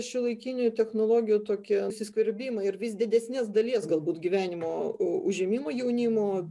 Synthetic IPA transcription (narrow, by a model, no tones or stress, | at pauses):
ʃʲɪlˠɐɪkʲiːnʲʊt̪ʲɛxnoːlˠoːɡʲɪjuːt̪oːkʲisʲɪskʲʋʲɪɾʲbʲiːmɐɪɾʋʲiːsd̪ʲɪd̪ʲɛsʲnʲiːsd̪ɐlʲiɛsɡɐlˠbuːt̪ɡʲiʋʲæːnʲɪmoːʊʒʲɛmʲiːmoːjɛʊnʲiːmoː